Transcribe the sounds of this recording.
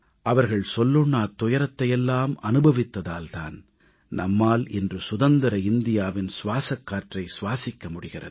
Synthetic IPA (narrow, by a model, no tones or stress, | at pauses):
ʔɐʋɐɾɣɐɭsɔlːɯɳːɐːt̪ːʊjɐɾɐt̪ːɐjɛlːaːmɐnɯbɐʋɪt̪ːɐðaːlt̪a̰ːn | nʔɐmːaːlɛndrɯsʊðɐnd̪ɐɾɐɪnd̪ɪjaːʋɪnsʊʋaːsɐkːaːɾʈrɐɪsʊʋaːsɪkːɐmʊɽɪɣɪrɐ̰ðɯ